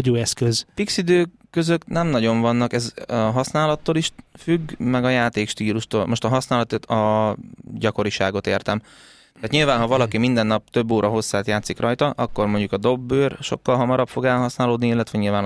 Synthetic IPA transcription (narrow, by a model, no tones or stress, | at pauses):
oɟoːɛskøzpiksid̪øː | kːø̞zøknɛmnɒɟo̞ɱvɒnːɒkɛzɒɦɒsnaːlɒt̪ːoːliʃfyɡmɛɡɒjaːt̪eːkʃt̪iːluʃt̪o̰ːlmo̞ʃt̪ɒɦɒsnaːlɒt̪et̪ɒ | ɟɒko̞ɾiʃaːɡo̞t̪eːrt̪ɛm | t̪aːt̪ɲilvaːnɦɒvɒlɒkimind̪ɛnːɒp̚t̪ø̞bːoːɾʔɒɦo̞sːaːt̪jaːt̪sikrʔɒjt̪ɒʔɒkːo̞rmo̞ɲɟukɒd̪o̞bːøːrʃo̞̰kːɒlɦɒmɒɾɒpfo̞ɡɛlɦɒsnaːloːd̪niilːɛt̪ʋɛɲilvaːn